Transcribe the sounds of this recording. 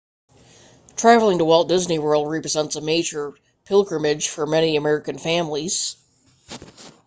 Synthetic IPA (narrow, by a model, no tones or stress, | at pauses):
tʰɹ̥ævlˠɪ̃ŋtəwɛlˠt̚d̥ɪzniwɜ˞lˠd̚ɹɛpɹɨzɛ̃ntsəmeɪd͡ʒə˞ | pʰɪlˠɡɹɨmɪ̥ʒ̥fə˞mɛniɨmɛɹɨkɨ̃nfæ̃mliz̥